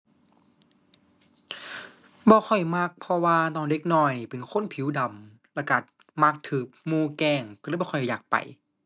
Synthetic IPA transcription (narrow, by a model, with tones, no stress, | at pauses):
bɔː˧xʰɔ˨˩jma˧˥˩k̚pʰɔ˧waː˧nɔː˧˩nde˧˥k̚nɔː˧˩jniː˧˩pe˨˩nkʰo˧˥˨npʰi˨˦wda˨˩m | lɛ˧˩ka˧˩ | ma˧˥˩k̚t̪ʰɯː˨˩k̚muː˧˨kɛː˧˩ŋkːbːʰjjaː˨˩k̚pa̰˨˩j